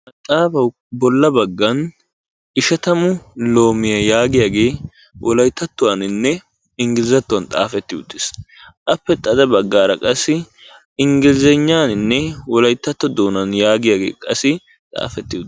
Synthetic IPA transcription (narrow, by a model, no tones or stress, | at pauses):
mɐt̪ʼaːbɐw | bɔlːɐbɐɡːɐn | ɪʃɐt̪ɐmʊlo̞ːmɪjɐjaːɡɪjaːɡe̞ː | wʔɔlɐjt̪ːɐt̪ːʊwaːnɪnːɛ | ɪŋɡɪlzɐt̪ːʊwɐnt̪ʼa̰ːfɛt̪ːɪʊt̪ːɪ̥s | ʔɐpːɛt̪ʼːɐd̪ɐbɐɡːaːɾɐkʼɐsːɪ | ɪŋɡɪlɪzɛɲːaːnɪnːɛwɔlɐjt̪ːɐt̪ːɔd̪oːnɐnjaːɡɪjaːɡe̞̰ːkʼɐsːɪ | t̪ʼa̰ːfɛt̪ːɪʊ